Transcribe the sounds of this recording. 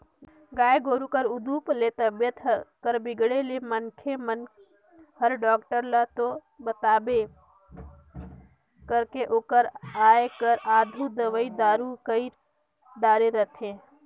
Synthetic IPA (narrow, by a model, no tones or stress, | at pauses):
ɡaːeɡoːɾukəɾʊd̪uplet̪əbjət̪kəɾbɪɡɽelemənkʰemən | həɾɖɔːkʈəɾlat̪o | bət̪aːbe | kəɾkeʔoːkəɾaːekəɾaːd̪ʱud̪əʋəid̪aːɾukəi | d̪aːɾeɾət̪ʰe